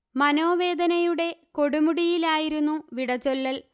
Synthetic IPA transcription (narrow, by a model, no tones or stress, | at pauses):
mɐno̞ːʋe̞ːd̪ɐnɐjuɽe̞ko̞ɽumuɽijilaːjiɾunːuʋiɽɐt͡ɕːolːɐl